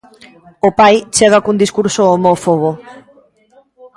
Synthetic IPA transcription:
opajt͡ʃeɣakund̪iskuɾsoːmɔfoβ̞o

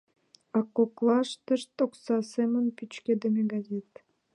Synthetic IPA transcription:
akːoklˠɑʃt̪ɨʃt̪oksɑsemənpʲyt͡ɕkʲed̪emʲeɡazʲet̪

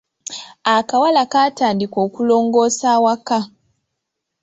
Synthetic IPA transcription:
akawalakaːtaːndiko̞ːkulo̞ːŋɡo̞ːsaːwaka

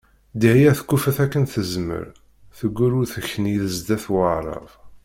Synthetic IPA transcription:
d̪ihijæθə̥kːufəθækːənθəzmə̰ɾ | θəɡːuɾʊɾθəçəniðəzd̪æθwəʕɾˤə̰v

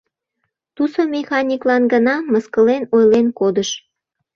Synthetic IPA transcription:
t̪usomʲexɑnʲiklɑnɡənɑmə̆skəlenojlenkod̪əʃ

